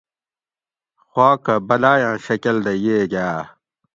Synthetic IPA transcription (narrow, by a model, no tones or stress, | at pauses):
xwaːkɐbɐlaːjãːɕɐkɐld̪ɐjeːɡaː